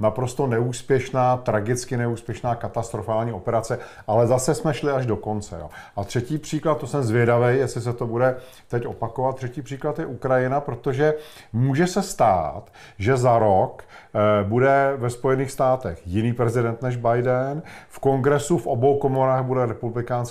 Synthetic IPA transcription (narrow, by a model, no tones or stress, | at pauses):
napɾo̞st̪o̞nɛuːspjɛʃnaːt̪ɾaɡɪt͡skɪnɛuːspjɛʃnaːkat̪ast̪ɾofaːlɲiːo̞pɛɾat͡sɛ | ʔalɛzasɛsmɛʃlɪaʒdo̞ko̞nt͡sɛ̰jo̰ːʔat̪r̝̥ɛciːpr̝̥iːklat̪̚t̪ːosɛmzvjɛdavɛjjɛslɪs̬ɛt̪o̞budɛ | t̪ɛcʔo̞̰pakovat̪t̪ːr̥ɛciːpr̥iːklat̪jɛʔukɾajɪnapɾo̞t̪o̞ʒɛ | muːʒɛsɛst̪a̰ːt̪ | ʒɛzaɾok | budɛvɛspo̞jɛniːxst̪aːt̪ɛxjɪniːpɾɛzɪdɛnt̪nɛʒbajdɛnfko̞ŋɡɾɛsufʔobo̞wko̞moɾaːɣbudɛɾɛpublɪkaːns